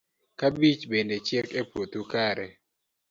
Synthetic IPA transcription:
kabit͡ʃbendet͡ʃekepwot̪ukaɾɛ

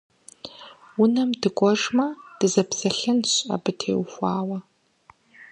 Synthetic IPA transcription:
wʊnɐmdɨkʷʼɔʐmɐd̥ɨzɐpsɐɬɨnɕʼɐ̰bɨtʰḛːwxʷɑːwɐ

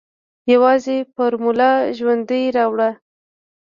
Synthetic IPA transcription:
jawɑzepəɾmʊlɑʒwand̪əjɾɑwɽa

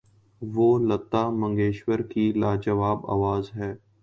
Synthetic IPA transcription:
ʋoːlət̪ːaːmə̃ŋɡeːʃwəɾkilaːd͡ʒəʋaːba̰ːʋaːzɦɛː

